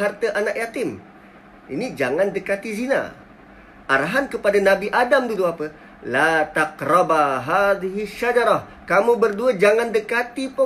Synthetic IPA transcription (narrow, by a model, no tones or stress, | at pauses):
art̪əʔanaʔjat̪ɪm | inid͡ʒaŋandəkat̪izina̰ | ʔaɾaɦankəpadanabiʔadamduluapə | lat̪akrɔbaɦad̪iɦiʃad͡ʒaɾɔh | kamubərduad͡ʒaŋandəkat̪ipə